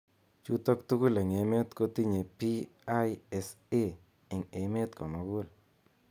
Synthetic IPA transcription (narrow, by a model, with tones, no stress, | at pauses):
t͡ʃu˦t̪ɔ˦k̚t̪u˦ku˦le˨ŋe˨me˦t̪ko˦t̪i˦ɲe˨pi˦a˦jɛ˨˧s | e˦ | ɪ˨ŋe˨me˦t̪̚kɔ˨ma˨˧ɡu˦l